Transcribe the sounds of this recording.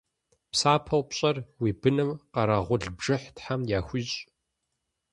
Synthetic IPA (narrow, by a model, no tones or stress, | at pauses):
psaːpʰɐwpɕʼɐrwiːbɨnɨmqɐɾɐʁʷʊɮbʐɨħtħamjaːxʷiːɕʼ